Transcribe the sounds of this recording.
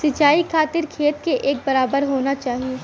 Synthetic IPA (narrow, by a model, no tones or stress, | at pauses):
sɪt͡ʃaːikʰaːt̪ɪɾkʰeːt̪keʔeːk̚bɐɾaːbəɾɦoːnat͡ʃaːɦieː